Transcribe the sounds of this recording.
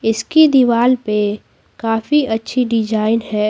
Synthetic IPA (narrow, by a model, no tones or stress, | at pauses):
ɪskid̪iʋaːlpe | kaːfiʔɐtːʃʰiɖɪd͡ʒaːɪnɦɛː